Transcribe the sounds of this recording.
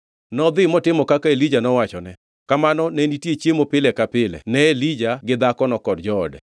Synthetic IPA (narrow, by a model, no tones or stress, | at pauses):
nɔd̪ɪmɔtɪmɔkakaelid͡ʒanɔwat͡ʃɔnɛ | kamanɔnɛnitjet͡ʃjemopɪlɛkapɪlɛ̰nɛelid͡ʒaɡɪd̪akɔnɔkɔdd͡ʒɔːdɛ̰